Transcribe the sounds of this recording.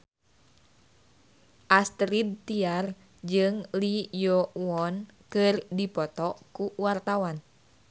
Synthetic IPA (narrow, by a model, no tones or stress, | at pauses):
ʔast̪ɾid̪̚t̪iar | d͡ʒɨŋlijɔwɔnkɨrdipɔt̪ɔkuwart̪awan